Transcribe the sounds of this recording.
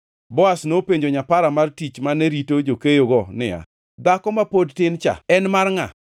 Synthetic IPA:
bɔasnopeɲd͡ʒoɲapaɾamartit͡ʃmaneɾitod͡ʒokejoɡɔnɪ̰ja̰ | d̪akɔmapodtɪnt͡ʃa̰ɛnmarŋa̰

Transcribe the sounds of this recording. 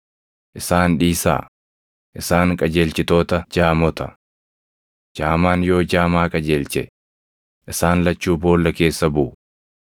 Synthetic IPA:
ʔɪsaːnᶑiːsa̰ː | ʔɪsaːŋkʼɐd͡ʒe̞ːlt͡ʃɪt̪o̞ːt̪ɐd͡ʒaːmɔt̪ɐ | d͡ʒaːmaːnjo̞ːd͡ʒaːmaːkʼɐd͡ʒeːlt͡ʃɛ̰ | ʔɪsaːnlɐt͡ʃːuːbo̞ːlːɐke̞ːsːɐbʊʔʊ

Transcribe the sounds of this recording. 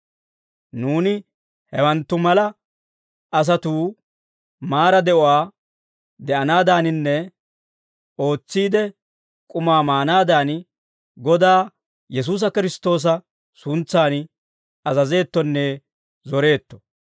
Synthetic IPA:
nuːnɪ | hɛwɐnt̪ːʊmɐlɐ | ɐs̬ɐt̪uː | maːɾɐd̪ɛʔʊwaː | d̪ɛʔɐnaːd̪aːnɪnːɛ | o̞ːt͡sːiːd̪ɛ | kʼʊmaːmaːnaːd̪aːn | ɡɔd̪aː | jɛs̬uːs̬ɐkɪɾɪst̪o̞ːs̬ɐ | sʊnt͡sːaːn | ɐzɐze̞ːt̪ːɔnːe | zɔɾe̞ːt̪ːɔ̥

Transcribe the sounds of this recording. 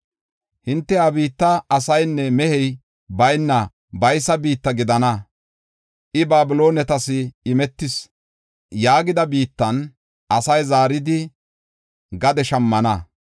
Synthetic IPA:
hɪnt̪ːɛɐbiːt̪ːɐɐsɐjnːɛmɛhɛj | bɐjnːɐ | bɐjsɐbiːt̪ːɐɡɪd̪ɐnɐ | ʔɪbaːbɪlo̞ːnɛt̪ɐsɪɪmɛt̪ːɪs | jaːɡɪd̪ɐbiːt̪ːɐn | ʔɐsɐjzaːɾɪd̪ɪ | ɡɐd̪ɛʃɐmːɐnɐ

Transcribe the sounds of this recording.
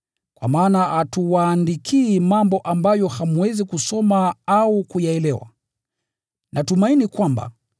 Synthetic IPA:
kwa̰maːnaatuwaːndikʰiːmambɔʔambajɔhamuwɛzikusɔmaaukujaɛlɛwa̰ | nʔatumainikwamba̰

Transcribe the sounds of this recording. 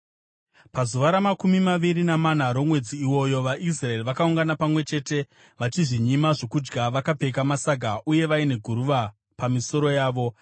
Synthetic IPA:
pazuʋaɾamakumimaʋiɾinamanaɾo̞mwe̞d͡ziːwo̞jo̞ʋaʔis̬rae̞riʋakauŋɡanapamwe̞t͡ʃe̞ːte̞ | ʋat͡ʃiʐiɲimaʐo̞kud͡ʒɡaʋakab͡ve̞kamasaɡʱaʔuje̞ʋaine̞ɡʱuɾuʋa | pamiso̞ɾo̞jaːʋo̞

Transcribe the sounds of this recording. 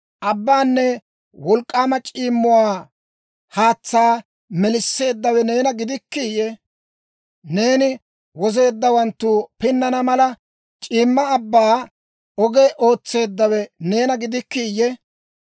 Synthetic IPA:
ʔɐbːaːnːɛ | wɔlkʼːaːmɐt͡ʃʼiːmːʊwaː | haːt͡sːaː | mɛlɪsːe̞ːd̪ːɐwɛne̞ːnɐɡɪd̪ɪkːijɛ | ne̞ːnɪ | wɔze̞ːd̪ːɐwɐnt̪ːupɪnːɐnɐmɐlɐ | t͡ʃʼiːmːɐːbːaː | ɔɡeʔo̞ːt͡sːe̞ːd̪ːɐwɛne̞ːnɐɡɪd̪ɪkːiːjɛ

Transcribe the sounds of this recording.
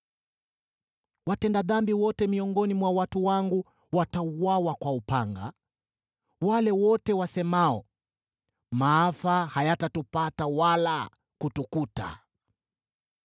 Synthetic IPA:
watɛndaðambiwɔtɛmiɔŋɡɔnimwawatuwaŋɡu | watauwawakwaupaŋɡa̰ | walɛwɔtɛwasɛmaɔ | maafahajatatupatawala | kutukuta̰

